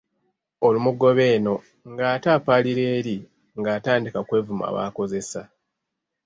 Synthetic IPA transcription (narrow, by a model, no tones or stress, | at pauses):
o̞lumuɡo̞βe̞ːno̞ | ŋɡaːtaːpaːliɾe̞ːɾi | ŋɡaːtaːndikakwe̞ːvuma̰βa̰ːko̞ze̞sa